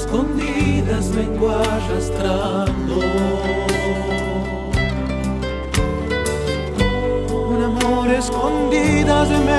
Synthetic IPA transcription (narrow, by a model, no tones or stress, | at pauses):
skond̪iðɐzleŋɡwaʒest̪ɾa | nd̪o | unamoɾeskond̪iðɐzeme